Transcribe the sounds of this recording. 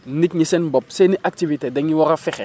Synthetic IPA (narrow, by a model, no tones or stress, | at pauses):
nik̚ɲisɛnbɔp̚seniʔak̚tivitedɛŋiwɔkafɪxɛ